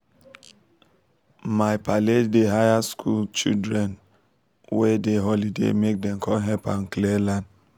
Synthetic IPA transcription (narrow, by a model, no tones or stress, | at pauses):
maɪpaleddeɦajaskʰult͡ʃḭdɾɛn | wɛdeɦɔlidḛmek̚dɛmkʰɔlɦɛpãnklɛlãnd